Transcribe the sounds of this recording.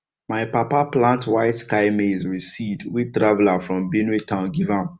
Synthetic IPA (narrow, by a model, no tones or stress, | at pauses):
maɪpapaplãntwaɪtskaɪmezɹisivdwitɹavɛlafɹɔ̃mbinitʰãʊ̃nɡivãm